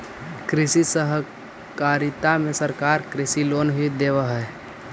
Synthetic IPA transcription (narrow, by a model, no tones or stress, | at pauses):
kɾɪsisəɦ | kaɾit̪amẽsəɾkaːɾkɾɪsilonɦid̪eːʋəɦɛ